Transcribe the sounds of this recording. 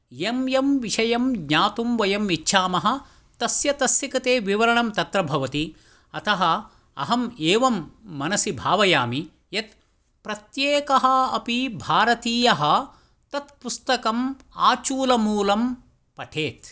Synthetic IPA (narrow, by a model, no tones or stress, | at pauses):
jemjɐmʋiʂɐjɐmɡɲaːt̪umʋɐjɐmitːʃʰaːmɐɦɐ̆ | t̪ɐsjɐt̪ɐsjɐkɐt̪eːʋiʋɐɾɐɳɐmt̪ɐt̪ɾɐbʱɐʋɐt̪i | ɐt̪ʰɐɦɐ | ɐ̰ɦɐmeːʋɐmːɐnɐsibʱaːʋɐjaːmi | jɐt̪ | pɾɐt̪jeːkɐɦɐ̆ɐpibʱaːɾɐt̪iːjɐɦɐ̆ | t̪ɐt̪pust̪ɐkɐm | aːt͡ʃuːlɐmuːlɐm | pɐʈʰeːt̪